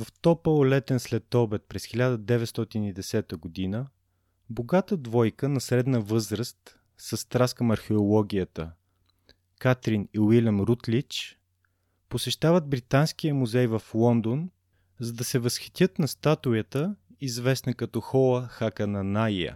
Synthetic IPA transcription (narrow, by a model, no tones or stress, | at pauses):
vɐft̪ɔpəlˠlɛt̪ɛnslɛt̪ɔbɛt̪̚pɾɛsxilʲad̪əd̪ɛvɛt̪st̪ɔt̪inid̪ɛsɛt̪əɡod̪inə | boɡat̪əd̪vɔjkənɐsɾɛd̪nəvɤzɾəst̪ | sɐst̪ɾaskəmɐɾxɛolˠɔɡʲijət̪ə̰ | kat̪ɾiniwilʲəmɾut̪lit͡ʃ | posɛʃt̪avəd̪̚bɾit̪ansk̟ijəmuzɛjvɐflˠɔnd̪on | zɐd̪ɐsɛvɐsxi̥t̪ʲjət̪nɐst̪at̪ʊjət̪ə | izvɛsnəkɐt̪ɔxɔlˠəxakənɐnajə̰